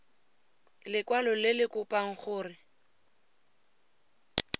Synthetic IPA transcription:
lɪkwalɔlɪlɪkʼʊpʼaŋ̩χʊːrɪ

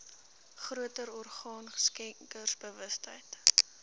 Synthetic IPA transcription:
χruətəɾɔrχɑːnskɛŋkərsbəvəstɦə̰jt

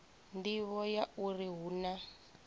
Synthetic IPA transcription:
ndiβɔjauriɦuːna

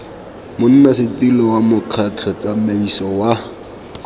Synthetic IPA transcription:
mʊn̩nasɪtilɔwamʊq͡χʰat͡ɬʰɔt͡sameisɔwa

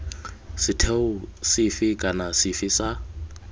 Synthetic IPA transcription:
sɪtʰeʊsɪfɪkʼanasɪfɪsa

